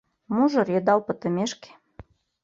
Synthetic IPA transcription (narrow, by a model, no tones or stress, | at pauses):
muʒɤ̆rjĕd̪ɑlpə̆t̪ə̆mʲeʃke̥